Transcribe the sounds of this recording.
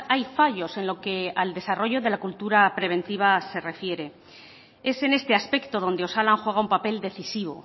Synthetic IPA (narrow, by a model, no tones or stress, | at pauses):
ajfaʝo̞se̞nlo̞ke̞ald̪e̞saro̞ʝo̞ðe̞lakult̪uɾapɾe̞β̞ẽ̞nt̪iβ̞ase̞re̞fje̞ɾe̞ | e̞se̞ne̞st̪e̞aspe̞kt̪oð̞o̞nd̪e̞osalaŋxwe̞ɣ̞aumpape̞ld̪e̞θisiβ̞o̞̰